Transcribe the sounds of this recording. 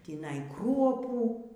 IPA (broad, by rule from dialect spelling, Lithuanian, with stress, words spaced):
tʲiːˈnɐɪ ˈkruɔpuː